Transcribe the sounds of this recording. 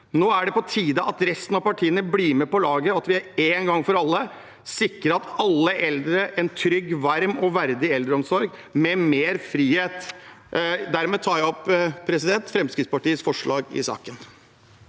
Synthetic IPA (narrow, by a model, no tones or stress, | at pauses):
noːæɖɛpɔt̪ʰiːd̪ɑʔɑt̪ɾɛst̪ənɑpɑʈʰiːənəbliːɾmɛpɔlɑːɡəɑt̪ʋɪæɾeːnɡɑŋːfɔɾɑlːə | sɪkɾəɾɑt̪ɑlːəʔɛld̪ɾəʔɛnt̪ʰɾʏɡʋɑɾmɔʋæɾd̪ɪɛld̪ɾəɔmsɔɾɡ | mɛmeːɾfɾiːheːt̪ | d̪æɾmɛt̪ʰɑːjæɔpːpʰːɾɛsɪd̪ɛnt̪fɾɛmskɾɪt̪spɑʈiːəsfɔʂɭɑːɡɪ̰sɑ̰ːkən